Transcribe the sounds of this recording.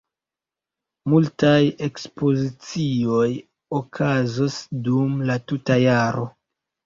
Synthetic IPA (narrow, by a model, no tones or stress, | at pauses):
multaje̞kspo̞zit͡sio̞j | okʰazosdumlatutajaɾo̞